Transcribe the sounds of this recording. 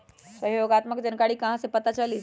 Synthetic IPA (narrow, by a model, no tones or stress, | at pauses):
səɦjoːɡat̪məkd͡ʒənkaɽiːkɐ̃ɦãsepət̪at͡ʃali